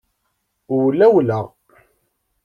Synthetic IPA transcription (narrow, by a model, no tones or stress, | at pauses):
ʊwlæwləʁ